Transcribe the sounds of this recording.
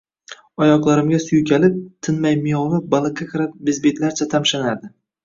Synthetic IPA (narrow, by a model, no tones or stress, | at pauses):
ɒjɒqlˠaɾɪmɡʲasʊjʊkʲʰalɪp̚t̪ʰɪnmajmɪjɒvɪbalˠɨqʰːakʰʲɨɾap̚bɪzbet̪laɾt͡ʃʰat̪ʰamʃanaɾd̪ɪ